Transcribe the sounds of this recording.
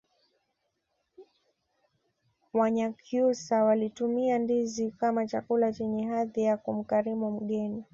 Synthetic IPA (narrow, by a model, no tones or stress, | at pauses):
waɲakjusawalitumiandizikamat͡ʃakulat͡ʃɛɲɛɦaðijakum̩kaɾimum̩ɠɛni